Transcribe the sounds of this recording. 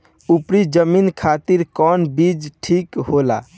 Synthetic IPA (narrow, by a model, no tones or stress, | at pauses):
upɾid͡ʒəminkʰat̪iɾkɔnbid͡ʒʈʰikɦola